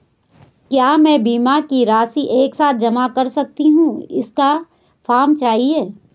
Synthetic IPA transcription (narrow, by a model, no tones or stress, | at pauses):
kjaːmɛ̃ːbiːmakiɾaːsiʔeːksaːt̪̚ʰd͡ʒɐmakɐɾsɐk̚t̪iɦũːɪ̰ska | fʰaːɾmt͡ʃaːɦieː